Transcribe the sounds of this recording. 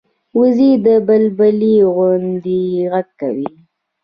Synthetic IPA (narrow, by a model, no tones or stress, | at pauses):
wuzid̪əbalbaliɣʊnd̪iɣaɡ̚ka̰wi